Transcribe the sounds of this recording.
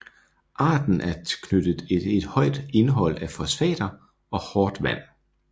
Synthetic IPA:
ʔɑ̰̈ːd̥n̩ʔæɐkʰnød̥əð̩ˠeed̥hɒ̽ɪ̰d̥e̝nɦɒ̽l̰æfɒ̽sʋɛ̰ːd̥ɐ | ɒ̽hɒːd̥ʋæn̰

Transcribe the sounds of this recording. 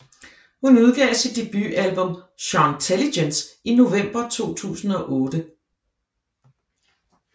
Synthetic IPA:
hunuð̞ˠɡ̥ɛ̰ːsid̥̚ːe̝b̥y̰ʔælb̥ɔ̽mɕɒt͡sʰelidensino̝ʋem̰b̥ɐt͡sʰo̝̰ːt͡sʰṵːsn̩ɒ̽ʔɔːd̥ə

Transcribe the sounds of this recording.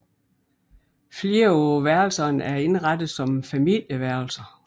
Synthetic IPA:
fleːɐɔːʋæɐl̩sɐnæɐe̝nʁɑd̥ð̩ˠsɒ̽mfæmil̰jəʋæɐ̰l̩sɐ

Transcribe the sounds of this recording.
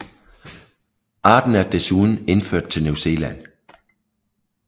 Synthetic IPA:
ʔɑ̈ːd̥n̩æɐd̥e̝suːðˠn̩e̝nføɐ̰d̥̚t͡sʰe̝lnuse̝̰ːlæn

